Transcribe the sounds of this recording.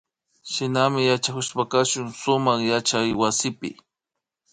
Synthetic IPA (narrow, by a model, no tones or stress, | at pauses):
ʃɪnamɪjat͡ʃakʊspakaʃʊŋsʊmaχjat͡ʃajwasɪpɪ̰